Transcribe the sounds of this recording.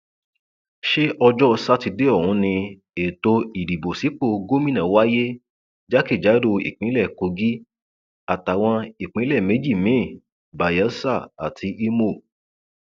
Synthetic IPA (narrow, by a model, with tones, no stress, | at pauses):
ʃe˦ʔɔ˧d͡ʒɔ˦˧sa˦ti˧de˦ɔ˦˨ũ˨˦nĩ˧ | e˨to˧i˨di˨bo˨si˨˦k͡po˦˧ɡo˦mĩ˦nã˨wa˦je˦ | d͡ʒa˦ki˦˨d͡ʒa˨˦do˧ḭ˨k͡pĩ˨˦lɛ˦˨ko˧ɡi˦ | a˨ta˨w̃ɔ̃˧i˨k͡pĩ˨˦lɛ˦˨me˨˦d͡ʒi˦˨mĩ˨˦˨ | ba˨ja˨˦sa˦˨a̰˨tʰi˧ʔi˦mo˦˨